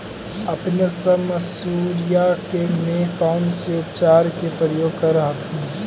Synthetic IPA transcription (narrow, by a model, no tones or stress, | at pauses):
əpnesəməsuɾijakemẽpaʊnseʊpt͡ʃaːɾkepɾəɾjoːɡ̚kəɾəɦəkʰĩ